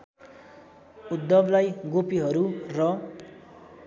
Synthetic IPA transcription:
ud̪ːʌblajɡopiɦʌɾurʌ

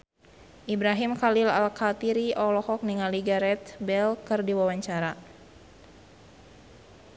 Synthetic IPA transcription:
ʔibɾaɦimkalila̰lkat̪iɾiʔɔlɔhɔk̚niŋaliɡaɾɛt̪bɛlkɨrdiwawaɲt͡ʃaɾa

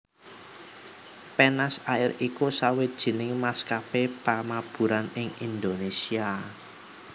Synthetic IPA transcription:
penasaɪrikusawed̥ʒ̥i̤nɪŋmaskapepamab̥ṳɾanɪŋind̪onesia

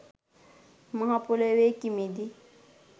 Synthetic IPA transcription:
maɦapulewekimidi

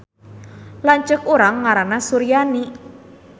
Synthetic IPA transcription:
laɲt͡ʃəkuɾaŋːaɾanasuɾijani

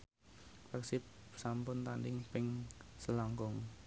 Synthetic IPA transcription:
pɛksɪp̚sampʊnt̪andɪŋpɪŋsəlɔŋkʊŋ

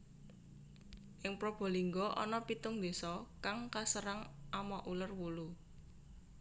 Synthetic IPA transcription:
ʔɪŋpɾob̥ɔ̤liŋɡɔʔɔ̰nɔpit̪ʊŋd̪e̤sɔkaŋkasəɾaŋʔamɔʔulərwulu

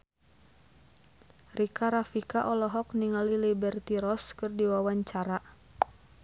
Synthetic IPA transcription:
rikaɾafikaʔɔlɔɦɔk̚niŋalilibɛrt̪iɾɔskɨrdiwawaɲt͡ʃaɾa

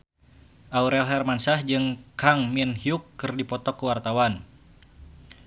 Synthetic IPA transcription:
ʔauɾɛlɦɛrmansahd͡ʒɨŋkaŋminhiukːɨrdipɔt̪ɔkːuwart̪awan

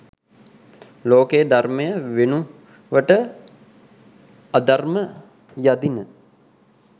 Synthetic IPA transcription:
loːkejːd̪arməjəʋenu | ʋəʈə | ad̪armə | jad̪inə

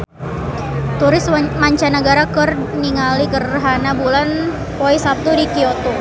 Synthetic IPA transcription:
t̪uɾɪsmaɲt͡ʃanəɡaɾakərniŋalikərɦanabulan | poisap̚t̪udikiot̪u

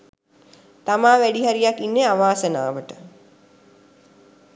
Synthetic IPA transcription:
t̪amaːʋæɖiɦaɾijakinːeaʋaːsəna̰ːʋəʈə

